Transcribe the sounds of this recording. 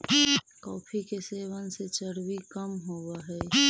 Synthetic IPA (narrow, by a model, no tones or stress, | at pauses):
kɔːpʰikeseːwanset͡ʃəɽwikəmɦoːwaɦɛː